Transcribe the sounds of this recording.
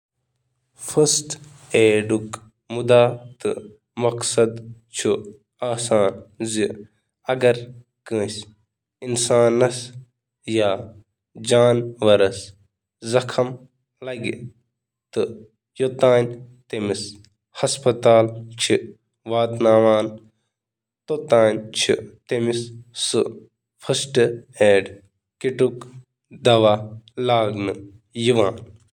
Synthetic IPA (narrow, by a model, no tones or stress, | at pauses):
fɐst̪ | eːɖuk | mud̪aːt̪ɨ̰ | mɐksɐd̪t͡ʃʰu | aːsaːnzi | ɐɡɐɾ | kə̃ːsʲ | insaːnːɐs | jaː | d͡ʒaːnʋɐɾɐs | zɐkʰɐm | lɐɡḭ | t̪ɨ | jot̪aːnʲt̪emis | hɐspɐt̪aːlt͡ʃʰi | ʋaːt̪naːʋaːn | t̪ot̪aːnʲt͡ʃʰḭt̪emissɨ | fʰɐsʈɨeːɖ | kiʈuk | d̪ɐʋalaːɡnɨ | jiʋaːn